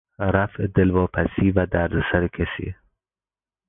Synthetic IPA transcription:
ɾafd̪ɪlvɔpʰasivad̪aɾd̪saɾɪkʰɛsḭ

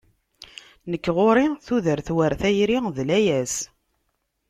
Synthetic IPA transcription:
nəkːʁoɾiθuðəɾθwəɾθæjɾiðlæjæs

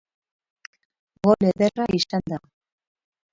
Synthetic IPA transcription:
ɣoleðeraiʃand̪a

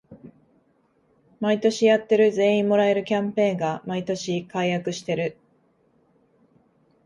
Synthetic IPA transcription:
mait̪o̞ɕijat̪ːe̞ɾɯ̟zẽ̞ːĩmmo̞ɾae̞ɾɯ̟kʲãmpẽ̞ːŋɡamait̪o̞ɕikaijakɯ̟ɕi̥t̪e̞ɾɯ̟

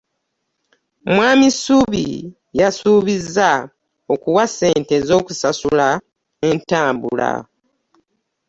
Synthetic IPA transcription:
mwaːmisuβḭ | jasuːβizːa | o̞kuwase̞ːnte̞zo̞ːkusasula | e̞ntaːmbṵla̰

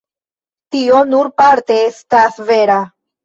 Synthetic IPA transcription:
tio̞nuɾpaɾte̞estasveɾa

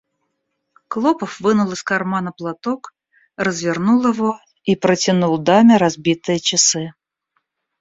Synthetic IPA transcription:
klˠɔpəfvɨnulˠɨskarmanɐplˠat̪ɔk | rəzvʲɪrnulˠjɪvɔ | ipɾət͡sʲɪnulˠd̪amʲɪɾazbʲit̪ɨjət͡ʃɪsɨ

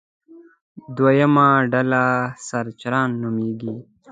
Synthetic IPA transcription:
d̪wajəmaɖalasaɾt͡ʃɾɑːnːumiːɡi

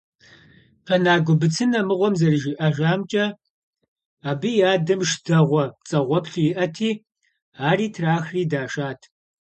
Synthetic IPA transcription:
qɐnaːɡʷʊbɨt͡sʰɨnɐmɨʁʷɔmzɐrɨʒiʔɐʒaːmt͡ʃʼɐ | aːbɨjaːdɐmʃd̥ɐʁʷɔt͡sʼɐʁʷɔpɬuiʔɐtʰiː | aːriːtʰraːxriːdaːʂaːtʰ

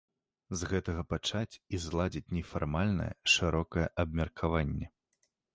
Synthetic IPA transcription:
zɣɛt̪ɐɣɐpat͡ʂat͡sʲizlˠad͡zʲit͡sʲnʲɛfarmalʲnɐ̰jɛ̰ʂɨɾɔkɐjɛ̰ʔɐbmʲɛrkʰavanʲːɛ

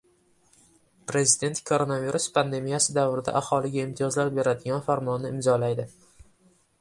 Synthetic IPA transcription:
pɾe̞zɪd̪e̞nt̪kʰo̞ɾo̞naviɾuspʰand̪e̞mijasɪd̪avɾɪd̪a̰ʔahɒlˠɪɡʲaɪmt̪ʰɪjɒzlaɾbe̞ɾad̪ɪɡʲanfaɾmɒnːɪɪmzɒlajd̪ɪ

